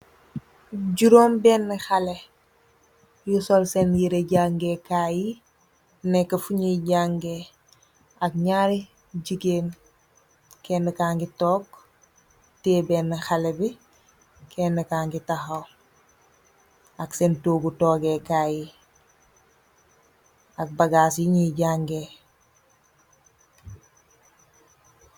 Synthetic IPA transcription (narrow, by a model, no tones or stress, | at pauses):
ɟuɾoːmbɛːnːəxɐlɛ | jusɔlsɛnjiɾeɟaŋɡɛkaːji | nɛkːɐfuɲiɟaːŋɡɛ | ɐk̚ɲaːɾi | ɟiɡeːn | kɛndəkaːŋɡitɔːk | teːbɛːnːəxɐlɛbi | kʰɛːnːəkaːŋɡitɐxɐw | ɐksɛntoːɡutɔːɡɛkaːji | ɐk̚bɐɡaːsjiɲiɟaŋɡe